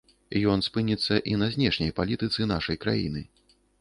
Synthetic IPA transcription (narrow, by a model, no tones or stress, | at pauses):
jɔnspɨnʲit̪sːɐʔinɐzʲnʲɛʂnʲɐjpalʲit̪ɨt̪sɨnaʂɐjkɾa̰jḭnɨ